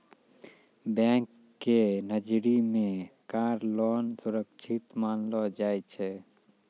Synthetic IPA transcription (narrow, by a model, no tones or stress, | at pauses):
bɛ̃ːŋkː | enəd͡ʒɾimẽkaːɾlɔːnsʊɾəkʃʰɪt̪maːnlɔd͡ʒaːet͡ʃʰɛ